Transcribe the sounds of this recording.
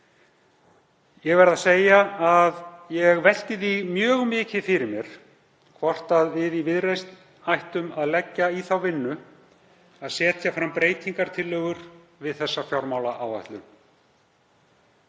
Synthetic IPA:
jɛɣvɛɾðaseːjaaðjɛɣvɛl̥t̪ɪθiɣmjœːɣmɪːcɪfɪɾɪɾmjɛɾ̥ | kʰvɔr̥t̪aðvɪðivɪðrejst̪ | ajht̪ʏmaðlɛcːaiθawvɪnːʏ | aðsɛːt̪jafɾampɾeːjt̪ʰiŋkaɾ̥t̪ʰɪlːœːɣʏɾ̥ | vɪðθɛsːafjawɾmaːwlaʔaːwva̰ht̪lʏn

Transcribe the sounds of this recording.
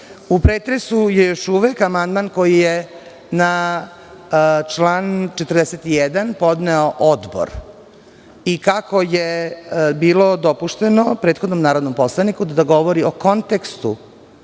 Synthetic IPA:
upɾeːt̪ɾesujejoʃuʋekamand̪maːnko̞jije | na | t͡ʃlaːnt͡ʃet̪rd̪eset̪ijɛd̪anpo̞d̪neoʔod̪bo̰ɾ | ikakojebiːlod̪opuʃt̪enopɾeːt̪xo̞d̪nomnaːɾod̪nomposlˠanikud̪ad̪aɡo̞ʋoɾioko̞nt̪ekst̪ṵ

